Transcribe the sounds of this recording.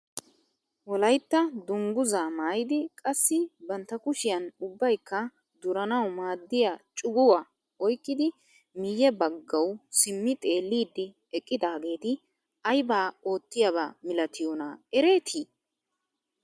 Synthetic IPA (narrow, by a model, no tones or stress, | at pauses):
wɔlɐjt̪ːɐd̪ʊŋɡʊzaːmaːjɪd̪ɪkʼɐsːɪbɐnt̪ːɐkʊʃɪjɐnʊbːɐjkːɐ | d̪ʊɾɐnɐwmaːd̪ːɪjat͡ʃʼʊɡʊwɐ | ɔjkːɪd̪ɪ | mɪjːɛbɐɡːɐwsɪmːɪt̪ʼe̞ːlːiːd̪ːɪ | ɛkʼːɪd̪aːɡe̞ːt̪ɪ | ɐjbaːo̞ːt̪ːɪjɐβa̰ːmɪlɐt̪ʰɪjonaːɛɾe̞ːt̪ʰiː